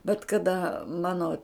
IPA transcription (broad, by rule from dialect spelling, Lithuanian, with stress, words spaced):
bʲɛt kɐˈdɐ ˈmɑːnoː